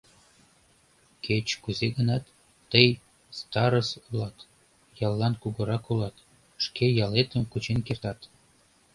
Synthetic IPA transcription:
kʰet͡ɕkuzeɡənɑt̪ː | əj | st̪ɑɾəsulɑt̪ | jɑlˠːɑnkuɣə̆ɾɑkulɑt̪ | ʃkejɑlet̪əmkut͡ɕenkert̪ɑt̪

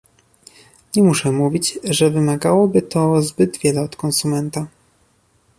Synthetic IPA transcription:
ɲɛmuʂɛmuvʲit͡ɕʐɛvɘmaɡawɔbɘt̪ʰɔzbɘd̪vʲjɛlɛɔt̪kɔnsumɛnt̪a

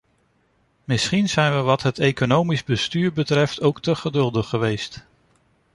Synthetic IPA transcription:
mɪsχinz̥ɛjnʋəʋɑtɦətejkonowmizbəstyːɹbətrɛftowktəχədɵlˠdəχːəʋejst

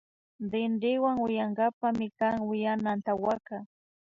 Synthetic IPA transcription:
d̪ɪnɾɪwaŋwɪjaŋɡapamɪkaŋwɪjanant̪awaka

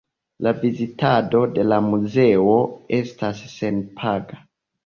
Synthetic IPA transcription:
lavizitʰado̞de̞lamuze̞oestasːe̞npʰaɡa

